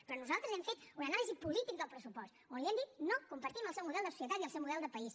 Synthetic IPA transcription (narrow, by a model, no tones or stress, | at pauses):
pɾɔnuzalˠt̪ɾəzɛmfet̪unənalizipulit̪ik̚d̪əlˠpɾəsupɔst̪onliɛmd̪it̪nokumpəɾt̪iməlˠsɛwmuðɛlˠd̪əsu̥siət̪at̪iəlˠsɛwmuðɛlˠd̪əpəis